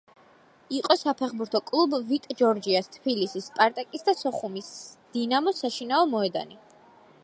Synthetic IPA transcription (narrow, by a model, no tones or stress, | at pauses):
iqʼɔsapʰɛχbuɾt̪ʰɔkʼlˠubvit̪ʼd͡ʒɔɾd͡ʒiast̪ʰbilisispʼaɾt̪ʼɛkʼisd̪asɔχumisd̪̥inamɔsaʃinaɔmɔɛd̪a̰ni